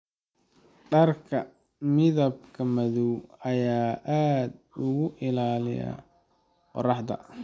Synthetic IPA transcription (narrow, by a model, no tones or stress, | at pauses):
ɖɐrkʰɐ | mɪðɐbkʰɐmɐðuwɐjaːʔaːd̪ | ʊɣʊʔɪlaːlɪja̰ | qɔ̰rɑħd̪ɐ̰